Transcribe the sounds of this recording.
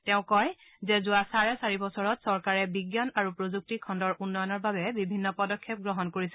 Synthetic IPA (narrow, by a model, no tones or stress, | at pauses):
tɛʊ̃kɔj | zɛzʊasaɹɛsaɹibɔsɔɹɔtsɔɹkaɹɛbiɡjɔnaɹupɹozuk̚tikʰɔndɔɹʔunːɔjɔnɔɹbabɛbibʱinːɔpɔdɔkʰːɛp̚ɡɹɔɦɔnkoɹisɛ̥